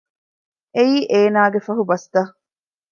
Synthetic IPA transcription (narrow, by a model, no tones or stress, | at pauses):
eiːʔeːnaːɡefɐɦubɐst̪ɐ